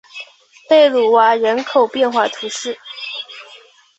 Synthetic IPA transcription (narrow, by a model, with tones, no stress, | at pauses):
pe˥˩ɪlu˨˩wa˧˥ɻə˧˥nkʰo˨˩ʊpjɛ˥˧nxwa˥˩t̪ʰu˧˥ʂɻ̩˥˩